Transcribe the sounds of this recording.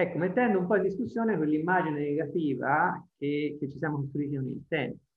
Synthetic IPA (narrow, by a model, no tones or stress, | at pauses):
ɛkːomet̪ːɛnd̪oumpɔind̪iskusːjoːnekwelːimːad͡ʒineneɡat̪iːva̰kʰek̟ːet͡ʃːisjaːmokost̪ɾuiːt̪ikonḭlt̪ɛmpo